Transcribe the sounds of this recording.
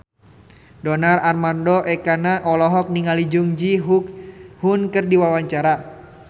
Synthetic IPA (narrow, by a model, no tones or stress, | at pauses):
dɔnararmandɔʔɛkanaʔɔlɔɦɔk̚niŋalid͡ʒuŋd͡ʒiɦukhunkɨrdiwawaɲt͡ʃaɾa